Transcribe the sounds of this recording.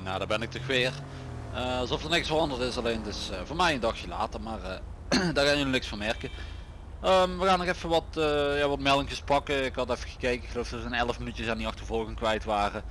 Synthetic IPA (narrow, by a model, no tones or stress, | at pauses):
naːdaːbɛnɪk̚tɔxʋɪːr | əɑlˠzɔftərnɪksfərɑndərtɪsɑlejntɪsvoːmɛjəndɑxjəla̰ːtərmaːr | daːɹɣaːnjəlinɪksfɔnmɛrkə | əmʋəɣaːnɔxɛfəʋɑtːjaːʋɑtmɛlˠɪŋcəspɑkəɪkhɑtɛfəɣə̥kejkəɪkxəlowfd̥ɔtəənɛləfmənytjəsaːndiɑxtəvɔlˠɣəŋkʋɛjtʋaːrə